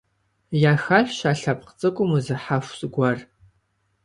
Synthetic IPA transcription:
jaːxaħʷᶣʃaːɬap̚ʰʼqt͡sʼɨkʷʼʊmuzɨħaʃʷsʼɡʷar

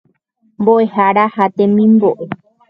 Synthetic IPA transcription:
mboʔehaɾahat̪ẽmĩmboʔe

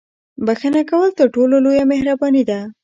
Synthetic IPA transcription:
baxənakawəlt̪əɾʈololojamehɾabɑnid̪a

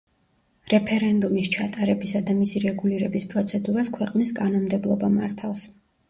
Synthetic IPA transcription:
ɾɛpʰɛɾɛnd̪umist͡ʃʰat̪ʼaɾɛbisad̪amisiɾɛɡuliɾɛbispʼɾɔt̪sʰɛd̪uɾaskʰwɛqʼniskʼanɔmd̪ɛblˠɔbama̰ɾt̪ʰafs

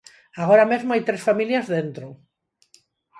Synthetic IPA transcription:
aɣoɾamezmoajt̪ɾesfamiljɐzðent̪ɾʊ

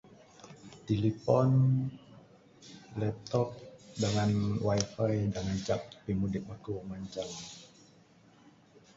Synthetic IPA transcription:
t̪ilipɔn | lɛt̪ɔk̚daŋanwaifaidaŋant͡ʃappimudɪpmakumaɲt͡ʃaŋ

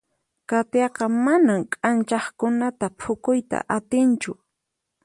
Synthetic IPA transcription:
kat̪jɑqɑmanamkʼant͡ʃɑχkʊnat̪apʰʊkʊjt̪a̰ʔat̪ɪnt͡ʃʊ

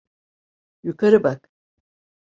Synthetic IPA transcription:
jukɐɾɯbak

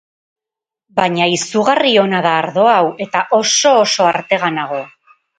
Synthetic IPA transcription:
baɲaisuɣario̞naðaːɾðo̞awe̞t̪aʔo̞so̞ːso̞aɾt̪e̞ɣanaɣ̞o̞

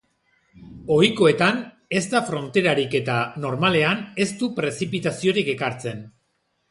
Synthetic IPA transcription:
o̞iko̞e̞t̪an | e̞st̪afɾo̞nt̪e̞ɾaɾike̞t̪ano̞ɾmale̞ane̞st̪upɾe̞sipit̪asio̞ɾike̞kaɾt͡se̞n

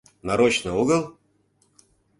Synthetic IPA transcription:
nɐɾot͡ɕnɨuɡəlˠ

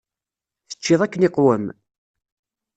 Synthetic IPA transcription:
θə̥t͡ʃːɪðˤækːənɪqwəm

